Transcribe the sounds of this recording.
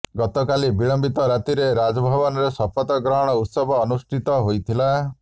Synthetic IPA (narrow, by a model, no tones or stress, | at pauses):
ɡɔt̪ɔkalibiɭɔmbit̪ɔɾat̪iɾeɾad͡ʒɔbʱɔbɔnɔɾesɔpɔt̪ɔɡɾɔɦɔɽ̃ɔut̪sɔbɔːnusʈʰit̪ɔɦojt̪ʰila